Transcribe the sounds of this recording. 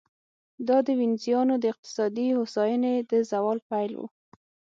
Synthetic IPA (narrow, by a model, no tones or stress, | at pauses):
d̪ɑd̪əwinzijɑnod̪əɪq̚t̪ɪ̥sɑd̪ihosɑjəned̪əzawɑlpajlwṵ